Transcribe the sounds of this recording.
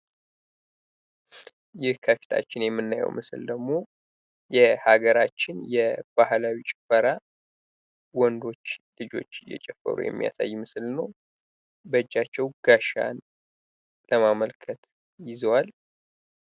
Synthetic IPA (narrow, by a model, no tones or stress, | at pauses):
jɪhkʰəfi̥t̪ʰa̰t͡ʃːɪnjɛmːɨnːajɛ̰wmʔɨsɨld̪əɡmo̞ | jɛhaɡəɾat͡ʃːɪnjɛb̥ahlawit͡ʃʼɪfəɾa | wɔnd̪o̞t͡ʃːlɨd͡ʒo̞̰t͡ʃːɨjɛ̰t͡ʃʼɛfːə̰ɾṵjɛ̰mːija̰sa̰jːmɨsɨlnəw | bəd͡ʒːat͡ʃːɛwɡ̥aʃa̰n | ləmaməlkʰət̪ | jɪzwal